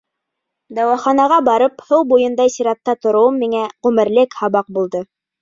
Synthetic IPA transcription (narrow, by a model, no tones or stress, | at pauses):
d̪ɑwæχɑnɑʁɑbɑɾɤphɤwbujɤ̆nd̪ɑjsiɾɑt̪ːɑt̪ŏɾŏwɤmːiŋæʁʉmɘ̆ɾlɘkhɑβɑq̚bulˠd̪ɤ